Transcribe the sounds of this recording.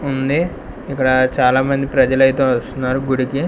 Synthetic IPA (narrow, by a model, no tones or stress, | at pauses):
und̪i | ikːɐɽɐt͡ʃaːlaːmɐnd̪ipɾɐd͡ʒɐlɐjt̪oːʋɐst̪unːaːɾuɡuɽiki